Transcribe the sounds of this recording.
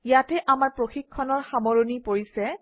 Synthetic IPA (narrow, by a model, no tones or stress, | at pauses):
jatɛʔamaɹpɹoxikʰːɔnɔɹxamoɹonipoɹisɛ